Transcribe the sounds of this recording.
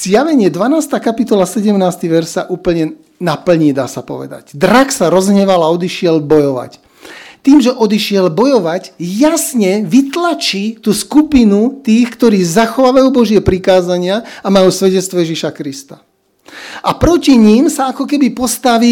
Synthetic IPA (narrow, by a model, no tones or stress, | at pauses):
z̥jaʋɛɲɪɛd̪ʋanaːst̪aːkapit̪ɔlasɛɟɛmnaːst̪iʋɛɾsaʔuːpl̩ɲɛ | napl̩ɲid̪a̰ːsapɔ̰ʋɛ̰d̪a̰ɟd̪ɾaksaɾɔzɲɛʋalaɔd̪iʃɪɛlbɔjɔʋa̰c | t̪iːmʒɛʔɔd̪iʃɪɛlbɔjɔʋacjasɲɛʋit̪lat͡ʃit̪uːskupinut̪iːxkt̪ɔɾiːzaxɔʋaːʋajubɔʒɪɛpɾikaːzaɲɪaamajusʋɛɟɛt͡st̪ʋɔjɛʒiʃakɾist̪a | apɾɔciɲiːmsaakɔkɛbipɔst̪aʋi